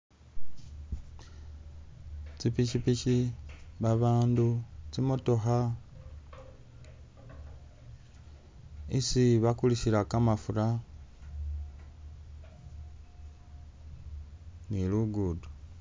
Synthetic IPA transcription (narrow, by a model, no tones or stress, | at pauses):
t͡ʃipiʃipiʃiβaβaːndut͡simutoxa | isiβakuliʃiɾakamafuɾa | niluɡudu